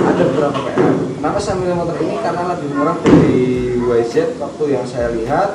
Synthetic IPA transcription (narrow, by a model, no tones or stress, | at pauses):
a̰dabəbəɾapakata̰makasamilimɔt̪ɔrinikarənaləbɪhməɾak̚daɾiwasɛt̪̚wak̚t̪ojaŋsajaliɦat̪̚